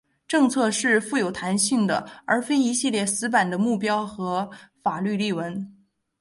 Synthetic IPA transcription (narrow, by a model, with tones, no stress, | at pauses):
ʈ͡ʂɤ˥˧ŋt͡sʰɤ˥˧ʂɻ̩˥˧fu˥˩jo˨˩ʊt̪ʰa˧˥nɕi˥˩ŋd̪ə̰˩ə˞˧˥fe˥ɪi˧˥ɕi˥˧ljɛ˥˩sɹ̩˧˥p̬a˨˩nd̪ə˦mu˥˩p̬jɑ˥ʊxɤ˧˥fa˨˩ly˥˧li˥˩wə˧˥n